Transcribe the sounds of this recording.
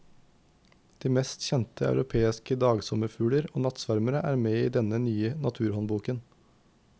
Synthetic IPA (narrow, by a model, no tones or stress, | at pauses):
d̪̥iːmɛst̪çɛnt̪əɑ̰ʉɾʔʊpʰeːɪskəd̪ɑːɡsɔməfʉːləɾoːnɑt̪sʋæɾməɾəʔæːɾmeːiːd̪ɛnənyːənɑt̪ʰʉːɾhɔnbuːkən